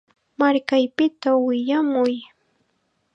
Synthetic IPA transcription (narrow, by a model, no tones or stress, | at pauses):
maɾkajpɪt̪awɪʎamʊj